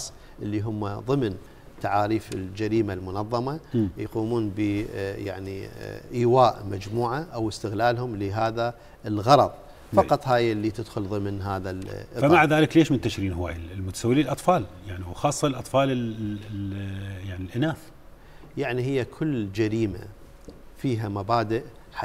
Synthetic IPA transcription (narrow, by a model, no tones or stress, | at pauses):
sˤ | ʔəlːiɦʊmːaðˤɨmn | t̪aʕaːɾiːfɪld͡ʒaɾiːmalmʊnɑðˤːɑmajquːmuːnbəja̰ʕniʔiːwaːʔmad͡ʒmuːʕaʔawɪst̪ɪɣlaːlhʊmlɪɦaːða | əlɣɑɾˤɑðˤ | fɑqɑt̪ˤhaːjɪlːit̪ɪd̪xʊlðˤɨmnɦaːðafamaʕðaːlɪkleːʃmɪnt̪ːaʃɾiːnɦʊwa̰ːjɪllmʊt̪ḁsawːɪliːlʔɑt̪ˤfɑːljaʕniwxɑːsˤːɑlʔɑt̪ˤfɑːlɪ | jaʕnilʔɪnaːf | jaʕnihɪjːakʰʊlːd͡ʒaɾiːma̰ | fiːɦamabaːd̪ɪʔ | ħa